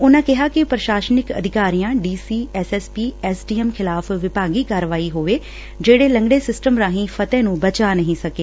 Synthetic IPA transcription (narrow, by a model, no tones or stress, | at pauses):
ʊnãːkɪɦaːkɪpɾəʃaːʃənɪkə̰d̪ʱɪkaːɾijãːɖiːsiːɛːsɛːspiːɛːsɖiːɛmkʰɪlaːfʋɪpaːɡiːkaːɾʋaːiːɦoːʋeː | d͡ʒeːɽeːlə̃ŋɡɽeːsɪsʈəmɾãːɦĩːfʰət̪ɛ̃ːnũːbət͡ʃaːnəɦĩːsəkeː